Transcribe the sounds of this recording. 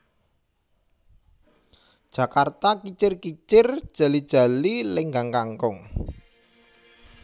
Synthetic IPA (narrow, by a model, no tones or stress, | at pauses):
d̥ʒ̥ä̤kart̪akit͡ʃɪrkit͡ʃɪrd̥ʒ̥a̤lid̥ʒ̥ä̤lilɪŋɡaŋkaŋkʊŋ